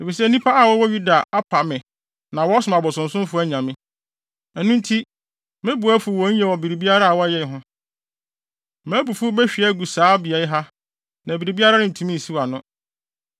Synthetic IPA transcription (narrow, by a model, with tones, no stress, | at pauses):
e˨fi˨s̬ɛ˦nĩ˦pʰa˦a˨wɔ˦wɔ˦ɥu˦da˨a˦pʰa˨mɪ̃˨ | nã˨wɔ˦sʊ˨mã˨bɔ˨sʊ̃˨n̩˨sʊ̃˦m˦fʊ˦æ˦ɲã˨mɪ̃˦ | ɛ˨nũ˦n̩˦tʰi˦ | mɪ̃˦bu˨æ˦fʊ˨wɔ̃˨˦ɲ̩˦jɛ˦˨wɔ˨bi˨ɾi˨bi˦a˦ɾa˦a˨wɔ˦jɛ˦˨ɦʊ̃˦ | mæ̃˨˦bu˨fʊ˦bɛ˦ɕᶣi˨ɛ˦ɡu˨saː˨˦bi˨ɛ˨jɪ˦ɦa˦ | nã˨bi˨ɾi˨bi˦a˦ɾa˦nɪ̃˦˨n̩˨tʰũ˨˦mĩ˦˨si˦wa˨nʊ̃˦